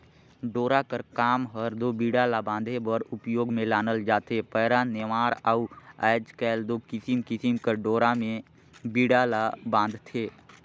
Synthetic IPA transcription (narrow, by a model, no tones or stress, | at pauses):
ɖoːɾakəɾkaːmɦəɾd̪oːbiːɽalaːbãːnd̪ʱebəɾʊpjoːɡmẽlaːnəld͡ʒaːt̪eːpəːɾaːnɪmaːɾaːuɛːd͡ʒkɛːld̪oːkɪsimkɪsimkəɖoːɾamẽ | biːɖaːlaːbãːnd̪t̪ʰeː